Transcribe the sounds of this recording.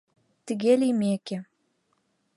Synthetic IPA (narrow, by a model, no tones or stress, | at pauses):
t̪ɘ̆ɣelimeke